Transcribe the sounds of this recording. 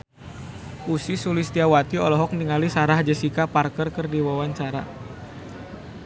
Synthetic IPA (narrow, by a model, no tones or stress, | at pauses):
ʔusisulist̪iawat̪iɔlɔɦɔk̚niŋalisaɾahd͡ʒəsikaparkərkərdiwawaɲt͡ʃaɾa̰